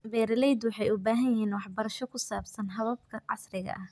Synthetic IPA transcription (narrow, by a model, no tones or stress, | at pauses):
bɛːɾɪlɛjd̪wɑħɑjʊbaːɦɐjɪɦiːnwɑħbɐɾɐʃɔkʰʊsaːbsɐnɦɐðɐb̚kʰɐʕɑ̰srɪɣɐ̰ʔɐh